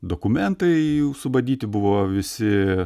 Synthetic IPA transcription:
d̪oːkʊmʲɛnt̪ɐɪjɛʊsʊbɐd̪ʲiːt̪ʲɪbʊʋoːʋʲɪsʲɪ

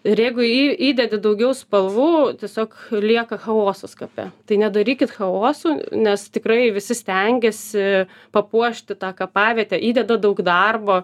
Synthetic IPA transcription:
ɪɾjɛɪɡʊiiːd̪ʲɛd̪ʲɪd̪ɐʊɡʲɛʊspɐlˠʋuːt̪ʲiɛsʲoːklʲiɛkɐxɐoːsoskɐpʲɛ̰t̪ɐɪnʲɛd̪ɐɾʲiːkʲɪt̪xɐoːsuːnʲɛst̪ʲɪkɾɐɪʋʲɪsʲɪsʲt̪ʲɛŋʲɡʲɛsʲɪ | pɐpuɔʃʲt̪ʲɪt̪ɑːkɐpɑːʋʲiɛt̪ʲɛʔiːd̪ʲɛd̪ɐd̪ɐʊɡd̪ɐrboː

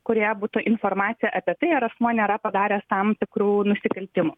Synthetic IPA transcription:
kʊɾʲjɛbuːt̪ʊʔɪnfoːrmɑːt̪sʲɪjɛʔɐpʲiɛt̪ɐɪɪɾɐsmuɔnʲeːɾɐpɐd̪ɑːɾʲeːst̪ɐmt̪ʲɪkɾuːnʊsʲɪkɐlʲt̪ʲɪmuː

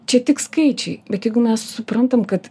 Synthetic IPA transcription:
t͡ʃʲɛt̪ʲɪkskɐɪt͡ʃʲɛɪbʲɛt̪jɛɪɡʊmʲɛssʊpɾɐnt̪ɐmkɐt̪

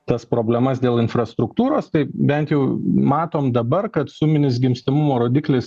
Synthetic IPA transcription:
t̪ɐspɾoːbʲlʲɛmɐsd̪ʲeːlˠɪnfɾɐst̪ɾʊkt̪uːɾoːst̪ɐɪbʲɛnt̪jɛʊmɑːt̪oːmd̪ɐbɐɾkɐt̪sʊmʲɪnʲɪs̬ɡʲɪmʲsʲt̪ɐmʊmoːɾoːd̪ʲiːklʲɪs

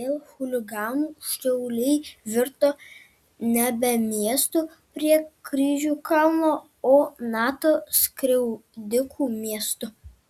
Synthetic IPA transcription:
eːlˠxʊlʲɪɡɑːnuːʃʲtʲɛʊlʲɛɪʋʲɪɾt̪oː | nʲɛbʲɛmʲiɛst̪uː | pʲɾʲiɛkɾʲiːʒʲuːkɐlˠmoː | oːnɑːt̪oːskɾʲɛʊd̪ʲɪkʰuːmʲiɛst̪ʊ

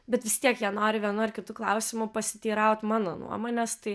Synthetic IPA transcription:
bʲɛt̪ʋʲɪst̪ʲiɛkjiɛnoːɾʲɪʋʲiɛnʊɐrkʲɪt̪uːklˠɐʊsʲɪmʊpɐsʲɪt̪ʲiːɾɐʊt̪ʲmɑːnoːnṵɔmoːnʲest̪ɐɪ

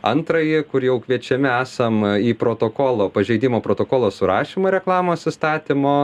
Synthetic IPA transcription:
ɐ̰nt̪ɾɐjɪkʊɾjɛʊkʋʲiɛt͡ʃʲɛmʲɪæːsɐmiːpɾoːt̪oːkoːlˠoːpɐʒʲɛɪd̪ʲiːmoːpɾoːt̪oːkoːlˠoːsʊɾɑːʃʲiːmoːɾʲɛklˠɑːmoːsɪst̪ɑːt̪ʲɪmoː

